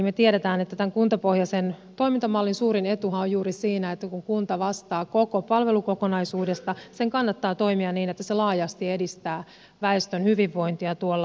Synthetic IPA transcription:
met̪ieɾet̪æːnet̪ːæt̪æŋkunt̪ɑpohjɑsent̪o̞imint̪ɑmɑlːinsuːɾine̞t̪uɦɑojjuːɾisiːnæet̪ːækuŋkunt̪ɑʋɑst̪ɑːko̞kopɑlʋe̞luko̞konɑisuːde̞st̪ɑseŋkɑnːɑt̪ːɑːt̪o̞imiɑnniːnet̪ːæselɑːjɑst̪iedist̪æː | ʋæest̪ønhyʋiʋːo̞int̪iɑt̪uolː

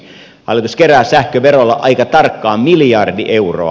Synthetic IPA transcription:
hɑ̰lːˑit̪uskeræːsæhkøʋeɾolːɑ̰ʔɑikɑt̪ɑrkːɑːmiljɑrdiʔeuro̰ɑ̰

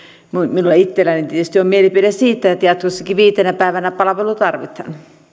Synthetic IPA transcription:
muminulːɑit̪ːelænint̪iet̪ːyst̪iommielipiɾæsiːt̪ːæjot̪jɑt̪kosːɑkiʋiːt̪enæpæˑeʋænæpɑlɑʋelut̪ɑrʋit̪ɑ̰n

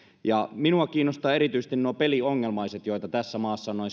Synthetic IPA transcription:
jɑminuɑkiːnːost̪ɑːeɾit̪yjse̥st̪innuɑpelioŋːelmɑiset̪jojt̪ɑt̪æsːæmɑːsːɑnoi

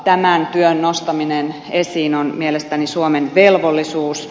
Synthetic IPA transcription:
t̪æmænt̪yønnost̪ɑminen | esiːnonmielest̪ænisuomenʋelʋolːisuːs

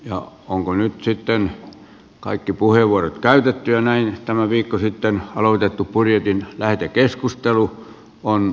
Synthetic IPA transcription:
jɑ̰ | oŋkonyt̪sit̪ːen | kɑikːipuheˑʋuorot̪kæyt̪et̪ːyjɑnæint̪æmæʋiːkːosit̪ːenɑlot̪et̪ːuppurjet̪inlæht̪ekeskust̪elu | on

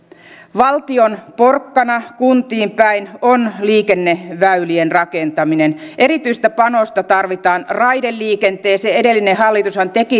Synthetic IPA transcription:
ʋɑlt̪ionpo̞rkːɑnɑkunt̪iːmpæinonliːkenːeʋæylienrɑkent̪ɑminenʔe̞ɾit̪yist̪æpɑno̞st̪ɑt̪ɑrʋit̪ɑːnrɑidelːiːkent̪eːseedelːinehɑlːit̪ushɑnt̪eki

